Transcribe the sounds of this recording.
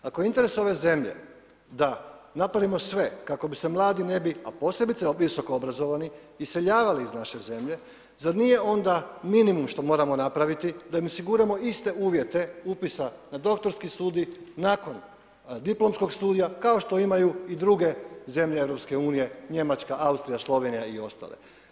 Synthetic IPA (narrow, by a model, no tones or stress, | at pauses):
akojint̪e̞ɾe̞so̞ʋe̞ze̞mʎe̞̰ | d̪anapɾaʋimo̞sʋe̞kako̞bise̞mlˠaːd̪ine̞bia̰po̞ːse̞bit̪seʋiso̞koobɾazo̞ʋaniː | se̞ʎaːʋaliːznaʃe̞ze̞mʎe̞ | zaɾnije̞o̞nd̪aminimumʃt̪o̞mo̞ːɾamo̞napɾaʋit̪id̪aimosiɡuɾamo̞ist̪e̞uːʋje̞t̪e̞upisanad̪o̞k̚t̪o̞ɾskisuːd̪inako̞n | d̪iplˠo̞msko̞ɡst̪uːd̪ijakao̞ʃt̪o̞imajuid̪ɾuɡe̞ze̞mʎeevɾo̞pske̞uːnije̞ɲe̞mat͡ʃkaʔaust̪ɾijaslˠo̞ʋe̞nijaio̞st̪a̰lḛ